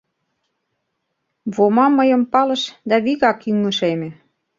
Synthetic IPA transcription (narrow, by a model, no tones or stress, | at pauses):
βomɑmːəjə̆mpɑlə̆ʃd̪æβiɣɑkyŋə̆ʃemĕ